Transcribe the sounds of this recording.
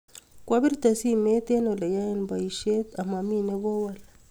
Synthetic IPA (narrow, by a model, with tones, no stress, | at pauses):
kwa˦bi˦ɾt̪a˨si˦me˦t̪e˦no˨le˨ja˦e˦nba˨i˨ʃe˦t̪a˨ma˨mi˦ne˦βo˦wal